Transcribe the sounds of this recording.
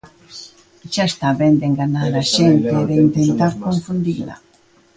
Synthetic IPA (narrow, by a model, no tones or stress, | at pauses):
ʃaest̪aβɛnd̪eŋɡanaɾaʃent̪eðeint̪ent̪aɾkoɱfund̪ila̰